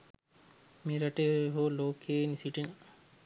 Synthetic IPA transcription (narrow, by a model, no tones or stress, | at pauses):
miɾɐʈeɦoloːkʰeːnisiʈin